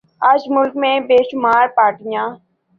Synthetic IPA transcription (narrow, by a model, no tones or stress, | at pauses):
aːd͡ʒmʊlkmẽːbeːʃʊmaːɾpaːʈɪjãː